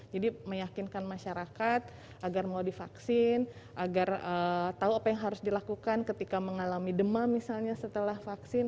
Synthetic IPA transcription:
d͡ʒadiməjakinkanmaʃaɾakat̪̚ | ʔaɡarmaudifaksɪn | ʔaɡarət̪auapajaŋɦaɾʊsdilakukankət̪ikaməŋalamidəmamisalɲasət̪əlahfaksɪn

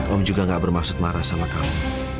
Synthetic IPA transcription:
t̪ɔmd͡ʒuɡaŋɡaʔbərmaksʊt̪̚maɾasamakamu

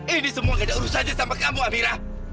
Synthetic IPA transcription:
inisəmuaŋadauɾusahd͡ʒasampakamuamiɾah

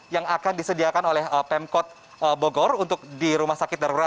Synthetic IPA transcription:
jaŋakandisədiakanolɛhəpɛmkɔt̪̚ | əboɡɔrunt̪ʊk̚diɾumahsakɪt̪̚daɾuɾat̪̚

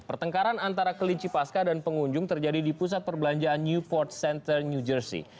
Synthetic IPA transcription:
pərt̪əŋkaɾanant̪aɾakəliɲt͡ʃipaskadanpəŋuɲd͡ʒʊŋt̪ərd͡ʒadidipus̬at̪̚pərbəlaɲd͡ʒaanːjupɔrt̪̚sɛnt̪ərnjud͡ʒərsḭ

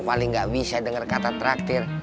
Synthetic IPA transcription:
palɪŋɡaʔbisadəŋərkat̪at̪ɾak̚t̪ɪr

